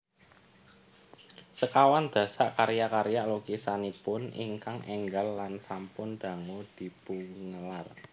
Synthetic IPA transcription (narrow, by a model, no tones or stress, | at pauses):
səkawand̪̥ä̤saʔkaɾjakaɾjalokisanipʊnḭŋkaŋʔɛŋɡalːansampʊnd̪̥a̤ŋud̪̥i̤puŋəlar